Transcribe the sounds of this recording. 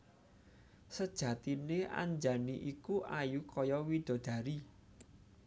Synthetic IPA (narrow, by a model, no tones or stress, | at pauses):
səd̥ʒ̥ä̤t̪inea̰ɲd͡ʒaniʔikuʔajukɔjɔwid̪̥ɔ̤d̪̥ä̤ɾi